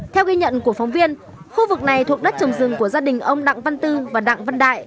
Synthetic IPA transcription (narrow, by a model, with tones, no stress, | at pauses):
t̪ʰɛ˧wɣi˧ɲə̰˧˨nku˧˩əfa˨˦wŋ͡mvi˧ən | xu˧vɨ˨˩k̚na˨˩jt̪ʰu˨˩ək̚ɗə˦˥t̚t͡ɕə˨˩wŋ͡mzɨ˨˩ŋku˧˩əzaː˧ɗï˨˩ŋ̟ʔə˧wŋ͡mɗa̰˧˨ŋvə˧nt̪ɨ˧vaː˨˩ɗa̰ː˧˨ŋvə˧nɗa̰ː˧˨jʔj